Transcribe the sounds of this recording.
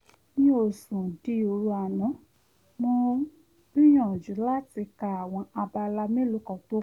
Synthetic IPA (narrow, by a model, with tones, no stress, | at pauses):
nĩ˦o˦˨sũ˨di˦o˧ɾu˦a˧˨nã˨˦ | mõ˧ | ĩ˦j̃ɔ̃˦˨d͡ʒu˨˦la˦ti˧ka˧˨a˨w̃ɔ̃˧a˧ba˧la˧me˦lo˨˧˦kɔ˨to˦